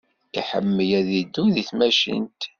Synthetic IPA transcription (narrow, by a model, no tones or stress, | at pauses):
kaħə̰mːəjæðid̪ːuðiθmæʃḭnt̪